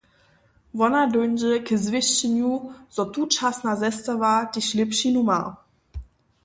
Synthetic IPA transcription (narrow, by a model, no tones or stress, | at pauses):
vɔnadʊnd͡ʒəkəzvɪɕt͡ɕɛnjuz̥ɔt̪ut͡ʃasnazɛst̪avadiɕlɪpɕinuma̰